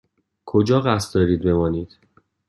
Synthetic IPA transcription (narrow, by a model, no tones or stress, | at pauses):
kʰod͡ʒɒːɣæst̪̚d̪ɒːɾiːd̪̚be̞mɒːniːd̪̥